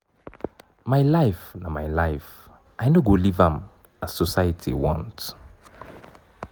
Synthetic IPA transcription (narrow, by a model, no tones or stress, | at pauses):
maɪlaɪfnamaɪlaɪf | ʔajnoɡolivãm | assɔsaɪətʰḭwɔ̰̃nt